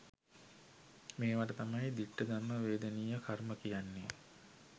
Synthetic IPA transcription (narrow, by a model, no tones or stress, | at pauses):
meːʋaʈət̪amajd̪iʈːəd̪anːəʋeːd̪əniːjəkʰarməkijanːe